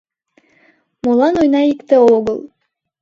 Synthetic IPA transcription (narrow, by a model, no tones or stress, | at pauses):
molˠɑnojnɑikt̪ɘoɣɤlˠ